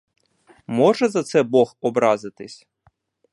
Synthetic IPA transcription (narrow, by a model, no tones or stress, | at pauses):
mɔʒɛzɐt̪sɛbɔxɔbɾɑzɪt̪ɪsʲ